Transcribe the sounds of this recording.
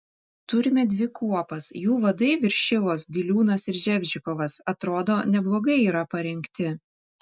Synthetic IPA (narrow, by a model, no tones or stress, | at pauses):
t̪ʊɾʲɪmʲɛd̪ʲʋʲɪkuɔpɐsjuːʋɐd̪ɐɪʋʲɪɾʲʃʲɪlˠoːsd̪ʲilʲuːnɐsɪɾʒʲɛbʲd͡ʒʲɪkɔʋɐsɐt̪ɾoːd̪oːnʲɛblˠoːɡɐɪiːɾɐpɐɾʲɛŋʲkt̪ʲɪ